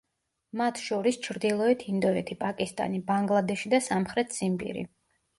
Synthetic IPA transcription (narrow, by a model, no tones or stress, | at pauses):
mat̪ʰʃɔɾist͡ʃʰɾd̪ilˠɔɛt̪ʰind̪ɔɛt̪ʰipʼakʼist̪ʼa̰nibaŋɡlˠad̪ɛʃid̪asamχɾɛt̪ʰz̥impʼḭɾḭ